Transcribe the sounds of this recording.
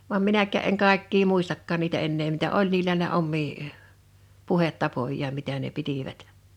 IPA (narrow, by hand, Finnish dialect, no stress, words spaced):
ʋɑm minækːæˑ eŋ ʔkɑˑekːiː muistɑkːɑːn niːtæ enːeː mitæ ol niːlæ ne omːiː puhetːɑpojˑɑːm mitæˑ ne pitiʋæt